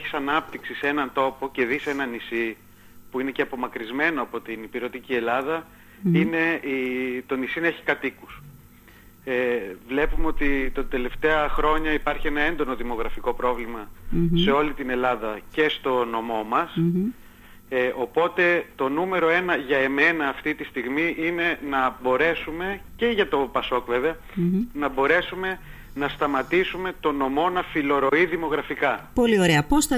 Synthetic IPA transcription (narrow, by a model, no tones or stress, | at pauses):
eçi̥sɐnɐp̚t̪iksise̞nɐnt̪o̞po̞ce̞ðise̞nɐnisi | puine̞ceɐpo̞mɐkɾizme̞no̞ɐpo̞t̪inipiɾo̞t̪icie̞lɐðɐ | ine̞it̪o̞nisineçi̥kɐt̪ikus | evle̞pumeo̞t̪it̪od̪e̞le̞ft̪e̞ɐxɾo̞ɲɐipɐɾçie̞nɐe̞nd̪o̞no̞ðimo̞ɣɾɐfiko̞pɾo̞vlimɐse̞o̞lit̪ine̞lɐðɐce̞st̪o̞no̞mo̞mɐs | ʔo̞po̞t̪e̞t̪o̞nume̞ɾo̞e̞nɐʝɐeme̞nɐːft̪it̪ist̪iɣmiʔine̞nɐbo̞ɾe̞sume̞ce̞ʝɐt̪o̞pɐso̞kve̞veɐ | nɐbo̞ɾe̞sume̞ | nɐst̪ɐmɐt̪isume̞t̪o̞no̞mo̞nɐfilo̞ɾo̞iðimo̞ɣɾɐfikɐpo̞lio̞ɾe̞ɐposθɐ